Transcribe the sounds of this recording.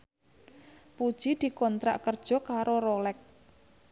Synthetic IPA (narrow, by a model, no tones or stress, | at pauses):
pud̥ʒ̥id̪̥i̤kɔnt̪ɾa̰ʔkərd̥ʒ̥ɔ̤kaɾoɾolɛk̚